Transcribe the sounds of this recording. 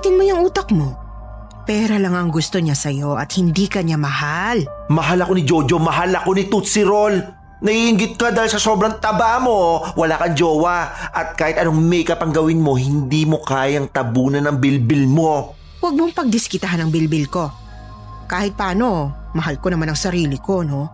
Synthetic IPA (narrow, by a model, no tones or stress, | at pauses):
t̪ɪnmojɐŋuːt̪ɐkmo̞ | pɛːɾɐlɐŋɐŋɡʊst̪o̞ɲasɐjo̞ʔɐ̰t̪̚hɪnd̪ikɐɲamɐhalmɐɦalɐko̞nɪd͡ʒo̞ːd͡ʒomɐɦalɐko̞nɪt̪ut̪sɪɾol | nɐhiːhɪŋɡɪt̪̚kɐd̪aːhɪlsɐsoːbɾɐŋt̪ɐbaʔmowɐlaːkɐŋd͡ʒoːwɐʔɐt̪̚kaːhɪt̪ɐnoŋmɛʔkɐpɐŋɡɐwɪnmo̞hɪnd̪iːmo̞kaːjɐŋt̪ɐbuːnɐnɐŋbɪlbɪlmo̞ | wɐɡ̚moŋpɐɡ̚d̪ɪskɪt̪ɐanɐŋbɪlbɪlko̞ | kaːhɪt̪̚pɐʔaːno̞mɐɦalkonɐmanɐŋsɐɾiːlɪko̞no̞